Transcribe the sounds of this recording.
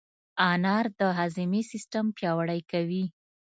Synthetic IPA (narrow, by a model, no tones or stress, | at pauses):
ɑnɑɾd̪əɦazimesɪsʈampjɑwaɽəjkawi